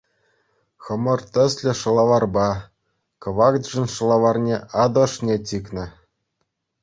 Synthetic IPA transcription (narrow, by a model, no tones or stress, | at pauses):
xɤ̆mɤ̆rt̪ʲɘ̆sʲlʲɘ̆ʂɤ̆lˠɑʋɑrbɑ | kɤ̆ʋɑk̪ʐɘ̆nʲʂɤ̆lˠɑʋɑrnʲeʔɑd̪ɤ̆ʂnʲetʲiknʲɘ̆